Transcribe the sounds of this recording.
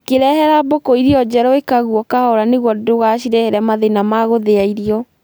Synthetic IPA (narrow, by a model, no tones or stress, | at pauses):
keɾɛhɛɾabokɔiɾiɔd͡ʑɛɾɔekaɣuɔkahɔɾaneɣwɔdoɣaɕiɾɛheɾɛmaðenamaɣoðeaiɾiɔ